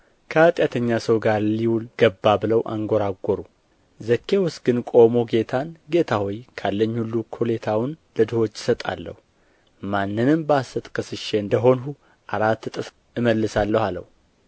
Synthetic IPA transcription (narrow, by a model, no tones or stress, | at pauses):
kʰəat̪ʼjat̪ʰəɲːasəwɡaɾliwulɡ̥əbːabɨləwʔa̰ŋɡoɾaɡʷːoɾu | zəkʰːe̞wʊsɡɨnkʼo̞mo̞ɡe̞t̪ʰanɡe̞t̪ʰahojkʰalːəɲːhulːukʰo̞le̞t̪ʰawʊnləd̪ɨho̞t͡ʃːɪ̥sət̪ʼa̰lːə̰hu | manːɨnɨmbəasət̪ʼkʰəsɨʃe̞ɨnd̪əɦo̞nɦu | ʔaɾat̪ːɨt̪ʼɨs | ɨməlːɨsalːəhalə̰hu